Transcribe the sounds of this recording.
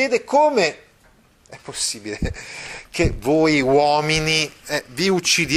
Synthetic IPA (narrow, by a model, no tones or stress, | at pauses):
eːd̪ekʰoːme | ɛpːosːiːbilekʰevoːjwɔːminiɛviut͡ʃːid̪j